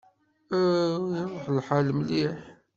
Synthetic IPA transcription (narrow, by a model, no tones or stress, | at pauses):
jðˤħlħalmliħ